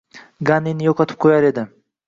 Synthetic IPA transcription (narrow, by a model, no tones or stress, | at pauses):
ɡanːinɪjɒqʰɒt̪ʰɪ̥p̚qʰojaɾe̞d̪ɪ